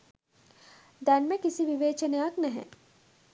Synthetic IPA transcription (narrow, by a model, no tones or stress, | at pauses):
d̪ænməkisiʋiʋeːt͡ʃɐnejaknæɦɛ̰